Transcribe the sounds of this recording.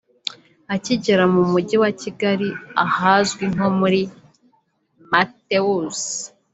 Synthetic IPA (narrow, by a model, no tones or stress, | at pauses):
aciɟeɾamumuɟiwaciɡaɾiahazɡwiŋ̥o̞muɾi | mateus